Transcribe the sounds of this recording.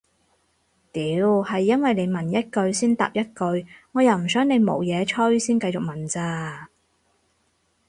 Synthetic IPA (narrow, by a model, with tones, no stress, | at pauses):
t̪iː˨˥˨whɐ˨jːɐ˥nwɐ˨jne˨˧jmɐ˨˩njɐ˥t̚kɵ˧ɥsiː˥nt̪a̰ː˨p̚jɐ˥t̚kɵ˧ɥŋɔː˨˧jɐ˨wm̩˨˩sœː˨˥ŋne˨˧jmo̰˨˧wjɛː˨˧t͡ʃʰɵ˥ɥsiː˥nkɐ˧jt͡sʊ˨k̚mɐ˨˩nt͡saː˧